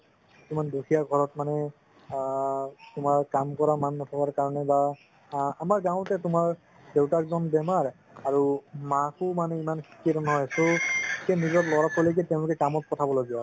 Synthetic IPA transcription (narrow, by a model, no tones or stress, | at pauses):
isumandukʰijaɡʱɔɹɔtmanɛ | tʊmaɹkamkɔɹamanːɔtʰakaɹkaɹɔnɛba | amaɹɡãʊ̃tɛtʊmaɹ | dewtakzɔnbɛmaɹ | aɹumakʊmanɛimankʰi̥kiatɔmɦɔjsokɛnizɔtlɔɹapʰɔlok̬ɛteʊ̃lʊkɛkamɔt̚kɔtʰabɔloɡibɔ